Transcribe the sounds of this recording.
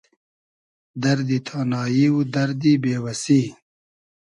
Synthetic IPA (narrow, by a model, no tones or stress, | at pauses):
d̪ɐɾd̪it̪ʰaːnɑːjiwd̪ɐɾd̪ibeːwɐsi